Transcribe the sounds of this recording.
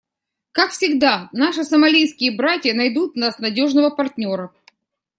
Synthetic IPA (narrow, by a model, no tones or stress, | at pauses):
kakfsʲɪɡd̪anaʂɨsəmɐlʲijskʲɪjəbɾatʲjənɐjd̪ut̪̚nasnɐdʲo̞ʐnəvəpɐrtʲnʲo̞ɾə